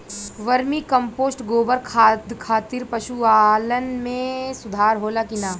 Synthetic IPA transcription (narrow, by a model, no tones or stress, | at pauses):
ʋɐɾmikɐ̃mpoːsʈɡoːbəɾkʰad̪kʰaːt̪iɾpɐʃuaːlənmẽsʊd̪ʱaːɾɦoːlakɪnaː